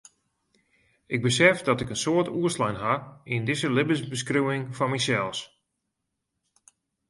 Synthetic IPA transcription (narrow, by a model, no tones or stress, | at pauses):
ɪɡ̚bəsɛfdɔtɪkənsoətuəslajnɦaindɪsəlɪbəsbəskrywɪŋfɔnmisɛlˠs